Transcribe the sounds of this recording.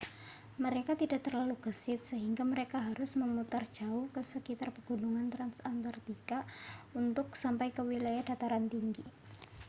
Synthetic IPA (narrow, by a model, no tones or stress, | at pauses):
məɾekat̪idaʔt̪ərlaluɡ̥əsɪt̪̚səɦiŋɡaməɾekaɦaɾʊsməmut̪ard̥d͡ʒaʊhkəsəkit̪arpəɡ̥ṳnuŋant̪ɾansant̪art̪ikaunt̪ʊk̚sampajkəwilajahda̤t̪aɾant̪iŋɡi